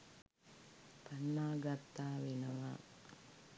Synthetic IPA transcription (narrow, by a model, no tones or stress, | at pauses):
panːaːɡat̪ːaːʋenəʋa̰